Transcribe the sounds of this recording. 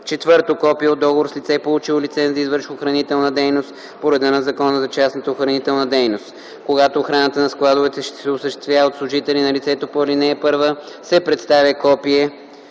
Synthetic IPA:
t͡ʃɛt̪vɤɾt̪okɔpijɛod̪ːɔɡovoɾslʲit̪sɛpolˠut͡ʃilˠolit̪sɛnzizvəɾʃxoxɾɐnit̪ɛlˠnəd̪ɛjnost̪ | poɾɛd̪ənɐzɐkɔnəzɐt͡ʃasnət̪əoxɾɐnit̪ɛlˠnəd̪ɛjnost̪ | koɡat̪oːxɾanət̪ənɐsklˠad̪ʊvɛt̪ɛʃt̪ɛ̥sɛosəʃt̪ɛ̥st̪vjavot̪slˠʊʒit̪ɛlinɐlʲit̪sɛt̪opoɛlʲinɛːpɤɾvə | sɛpɾɛt̪st̪avʲəkɔpiɛ

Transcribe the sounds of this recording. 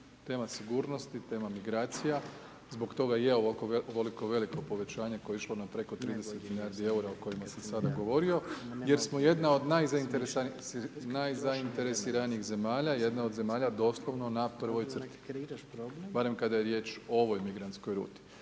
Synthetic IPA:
t̪e̞ːmasiɡuːɾno̞st̪it̪e̞ːmamiɡɾaːt̪sija | zbo̞kt̪o̞ɡajeokooʋoliko̞ʋe̞likopo̞ʋe̞t͡ɕaːɲekoeiʃlˠo̞napɾe̞ko̞t̪ɾiːd̪e̞set̪miliaːɾd̪ie̞uɾaoko̞jimasamsad̪aɡo̞ʋo̞ɾio̞je̞ɾsmoje̞d̪nao̞d̪najzaint̪eɾesanisnajzaint̪e̞ɾesiɾanijiɣze̞maːʎaje̞d̪naod̪ze̞maːʎad̪o̞ːslˠoʋno̞napr̩ʋo̞jt̪rt̪i̥ | baɾe̞mkad̪ajeɾje̞ːt͡ʃoʋo̞jmiɡɾant̪sko̞jɾṵːt̪i̥

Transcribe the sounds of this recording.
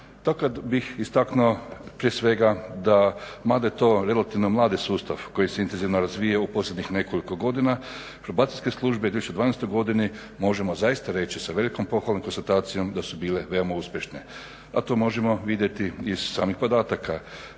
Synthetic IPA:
t̪aokad̪bixist̪aknuopɾiesʋe̞ɡad̪amad̪ajt̪o̞ːɾe̞lat̪iʋnomlˠaːd̪isuːst̪a̰ʋko̞jiseint̪enziʋnoɾazʋijaupo̞slʲe̞d̪ɲixne̞ko̞liko̞ɡo̞d̪ina | pɾobaːt̪ilʲske̞slˠuʒbed̪eçt͡ʃːed̪aːnest̪ojɡo̞d̪ini | mo̞ʒemozaist̪aɾe̞t͡ɕisaʋe̞liko̞mpo̞xʋalomko̞nst̪at̪aːt̪sijo̞md̪asubiːle̞ʋe̞omauspʲjeʃne | at̪o̞ːmo̞ʒemo̞ʋid̪je̞t̪iːz̥saːmixpo̞d̪aːt̪aka

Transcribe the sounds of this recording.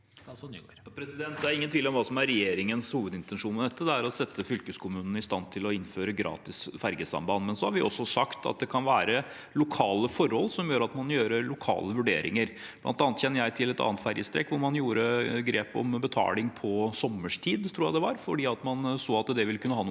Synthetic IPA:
pʰɾɛsɪd̪ɛnt̪̚d̪ɛæɾɪŋənt̪ʰʋiːləɔmʋɑːsɔmæɾɛjeːɾɪŋənshuːʋəd̪ɪnt̪ɛnʂuːnmɛd̪ɛt̪ːəd̪ɛæɾɔsɛt̪ʰːəfʏlkəskʰʊmʉːnən̩ɪst̪ɑnt̪ʰɪlɔɪnːføːɾəɡɾɑ̰ːt̪ɪsfæɾɡəsɑ̰mbɑnmɛnsɔhɑɾʋɪʔɔ̰sːɔsɑkt̪ʰɑ̰t̪̚d̪ɛkʰɑnʋæːɾə | lʊkʰɑːləfɔɾhɔlsɔmjøːɾəɑt̪mɑnjøːɾəlʊkʰɑ̰ːləʋʉɖḛːɾʔɪ̰ŋəɾblʔɑ̰nt̪ɑːnət̪çɛnːəjæɪt̪ʰɪlɛt̪ɑ̰ːnət̪fæɾjəst̪ɾɛ̰kːʋʊɾmɑnjuːɾəɡɾeːpɔ̰mbət̪ʰɑ̰ːlɪŋpʰɔsɔməʂt̪ʰiːd̪t̪ʰɾuːjæd̪ɛʋɑɾfɔɖiːɑt̪mɑnsoːɑt̪d̪ɛʋɪlkʉnːəhɑn

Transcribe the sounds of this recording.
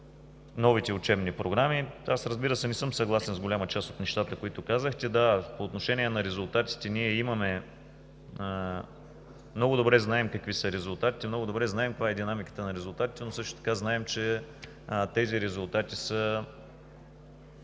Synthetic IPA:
nɔvit̪ɛʊt͡ʃɛbnipɾoɡɾamiasɾəzbiɾəsɛnɛsɤmsɐɡlˠasɛnzɡʊlʲamət͡ʃast̪ot̪nɛʃt̪at̪əkoit̪ʊkazəxt̪ɛd̪apoːt̪noʃɛnʲiɛnɐɾɛzʊlˠt̪at̪i̥t̪ɛniɛimɐmɛ | mnɔɡʊd̪obɾɛznaɛmkəkvisəɾɛzʊlˠt̪at̪i̥t̪ɛmnɔɡʊd̪obɾɛznaɛmkəkvaɛd̪inamikə̥t̪ənɐɾɛzʊlˠt̪at̪i̥t̪ɛnosɤʃt̪ʊt̪ɐ̥kaznaɛmt͡ʃɛ | t̪ɛziɾɛzʊlˠt̪at̪isə

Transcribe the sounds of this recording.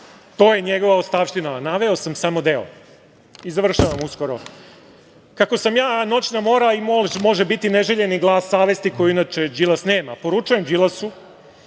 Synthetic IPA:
t̪o̞ːjeɲeɡo̞ʋaot̪st̪aʋʃt̪inanaʋeo̞samsamo̞d̪eo̰ | izaʋr̩ʃaʋamusko̞ɾo | kako̞samjaːno̞t͡ʃnamo̞ɾaimmo̞ʒebit̪ineʒe̞ʎe̞niɡlˠaːsːaːʋe̞st̪ikojiinat͡ʃed͡ʒilˠasneːmapo̞ɾut͡ʃuje̞md͡ʒilˠasu

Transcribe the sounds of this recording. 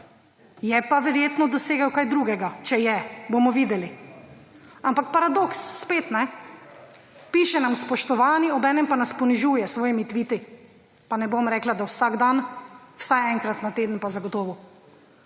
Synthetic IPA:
jɛpaʋɛɾjeːt̪nɔd̪ɔseːɡawkajd̪ɾuːɡɛɡat͡ʃɛjɛbomɔʋiːd̪ɛli | ampak̚paɾad̪oksːpeːt̪nɛ | piːʃɛnamspɔʃt̪ɔʋaːniɔbɛːnɛmpanaspɔniʒuːjɛsʋɔːjimit̪ʋiːt̪i | panɛbomɾɛːklad̪awsaɡd̪anwsajɛŋkɾat̪nat̪eːd̪ən̩pazaɡɔt̪ɔːʋu

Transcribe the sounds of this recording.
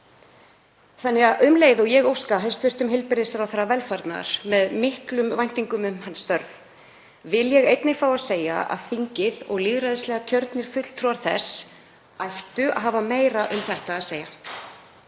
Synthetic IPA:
θanːɪɣaðʔʏmlejðɔɣjɛɣowskaɦest̪vɪr̥t̪ʏmɦɪlpɪɾɪsɾawθaɾːavɛlfaɾt̪na̰ɾ̥mɛðmɪhklʏmvajn̥t̪iŋkʏmʏmhanːst̪œɾv | vɪljɛɣejt̪nɪfaːwaðseːja̰ʔa̰ðθiɲcɪðɔɣliːɣɾajðslɛːɣac̪ʰœɾt̪nɪɾ̥fʏt̪l̥t̪ʰɾuaɾ̥θɛ̰s | ajht̪ʏa̰ðɦaːvameːjɾaʔʏmθɛht̪aːðseːja

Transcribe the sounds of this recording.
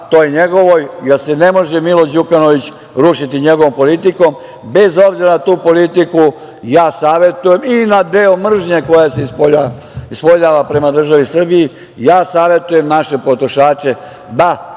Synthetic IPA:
t̪ojeɲeɡo̞ʋojjelsene̞mo̞ʒemilo̞d͡ʑukano̞ʋit͡ɕ | ɾuʃit̪iɲe̞ɡoʋo̞mpo̞lit̪iko̞m | be̞zo̞bziɾanat̪uːpo̞lit̪iku | jaːsaːʋje̞t̪uje̞minad̪eːomr̩ʒɲeko̞jaseispoa | ispoʎaːʋapɾe̞mad̪r̩ʒaʋisr̩biji | jaːsaːʋje̞t̪uje̞mnaʃe̞po̞t̪ɾoʃaːt͡ɕe̞ | d̪a

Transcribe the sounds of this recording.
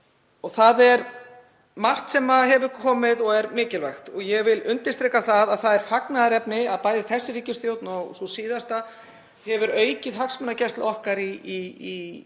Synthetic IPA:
ɔɣθaðɛɾ | mar̥t̪sɛmaðɦɛvʏkʰɔːmɪðɔɣɛɾmɪːcɪlvɛxt̪ɔɣjɛɣvɪlʏnt̪ɪ̥st̪ɾɛːkaθaðaðθaðɛɾ̥faknaðɾɛpnɪaðpaːjðɪθɛsːɪɾiːcɪ̥st̪jowt̪nɔɣsɔsiːðast̪a | hɛvʏɾœːɥcɪðɦaksmɛnacɛr̥t̪laɔhkaɾii

